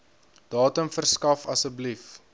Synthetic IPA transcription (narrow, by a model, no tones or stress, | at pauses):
d̥ɑːtəmfərskɐfɐsəblif